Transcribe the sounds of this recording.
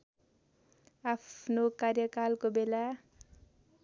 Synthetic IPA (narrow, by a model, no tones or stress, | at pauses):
apʰnokarjʌkalkobela